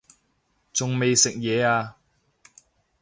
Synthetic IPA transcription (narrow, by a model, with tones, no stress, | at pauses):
t͡sʊ˨ŋme˨jsɪ˨k̚jɛː˨˧aː˧